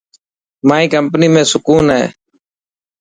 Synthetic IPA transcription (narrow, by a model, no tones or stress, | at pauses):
maːĩːkəmpniːmẽːsʊkuːnɦɛ̰ː